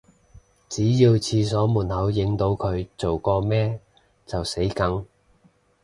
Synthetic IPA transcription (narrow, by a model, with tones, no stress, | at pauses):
t͡siː˨˥jiː˧wt͡sʰiː˧s̬ɔː˨˥muː˨˩nhɐ˨˥wjɪ˨˧ŋt̪o˧wkʰɵ˨˧ɥt͡so˨˩wkɔː˧mɛː˥ | t͡sɐ˨wse˨˥jkɐ˨˥ŋ